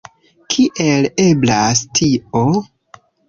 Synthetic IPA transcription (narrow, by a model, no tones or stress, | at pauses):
kʰiʔele̞blastʰio